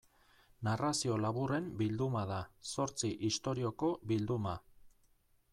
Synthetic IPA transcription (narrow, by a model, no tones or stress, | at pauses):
narasio̞laβure̞mbild̪umað̞aso̞ɾt͡siʔist̪o̞ɾio̞ko̞βild̪uma